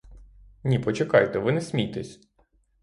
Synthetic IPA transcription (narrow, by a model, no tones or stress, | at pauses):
nʲipɔt͡ʃekɑjt̪ɛʋɪnɛsʲmʲijt̪ɛsʲ